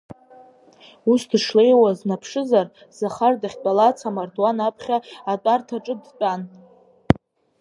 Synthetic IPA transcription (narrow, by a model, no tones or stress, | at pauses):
usdʂle̞jwaznapʰʂɨzar | z̥aχardaχʲt͡pʼalat͡sʰamartʰwanapʰχʲaːtʷʼartʰaʈ͡ʂʼɨdt͡pʷʼan